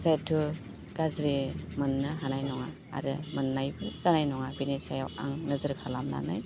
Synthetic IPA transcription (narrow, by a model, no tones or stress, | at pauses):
zajtʰu | ɡ̥azɾimɯnːɯɦanajnɔŋa̰ːɾɯmɯnːajbɯzanajnɔŋabinesajawa̰ŋnɯzɯɾkʰalamna̰na̰j